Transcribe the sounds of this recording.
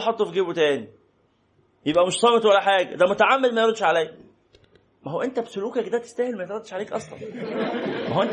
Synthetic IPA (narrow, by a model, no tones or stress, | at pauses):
ħɑt̪ˤːofɡeːbot̪æːni | jebʔæmeʃsˤɑːmet̪wælːæħaːɡæ̰d̪æmot̪aʕamːed̪mæjɑɾˤɑd̪ʃʕalæj | mæɦowæʔent̪æbsoluːkækd̪æːt̪e̥st̪æhelmæjet̪ɾˤɑd̪ːeʃʕaleːkʔɑsˤlɑ̰n | mæhowæʔent̪